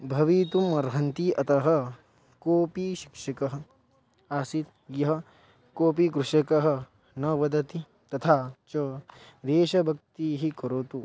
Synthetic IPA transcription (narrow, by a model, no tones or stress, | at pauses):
bʱɐʋiːt̪umɐɾɦɐnt̪iʔɐt̪ɐɦɐ̆ | koːpiʃi̥kʂɐkɐɦɐ̆ | asit̪ | jɐɦɐ̆ | koːpikɾuʂɐkɐɦɐ̆ | nɐʋɐd̪ɐt̪i | t̪ɐt̪ʰaːt͡ʃɐ | d̪eːʃɐbʱɐk̚t̪iːɦikɐɾoːt̪u